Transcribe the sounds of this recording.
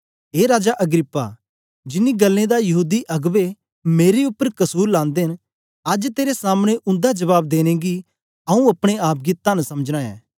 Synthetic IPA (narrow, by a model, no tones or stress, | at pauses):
ɦeːɾaːd͡ʒaʔɐɡɾɪpːa̰ | d͡ʒɪnːiɡɐlːẽd̪ajɐɦuːd̪iʔɐɡʋe | meːɾeʊpːəɾkɐsuːɾlãːnd̪eɦn | ɐd͡ʒt̪eːɾesaːmɽ̃eʔʊ̃nd̪ad͡ʒɐʋaːb̚d̪eːñẽɡi | ɐũɐpɽ̃eaːp̚ɡit̪ːansɐməd͡ʒɽ̃ãɛ̰̃ː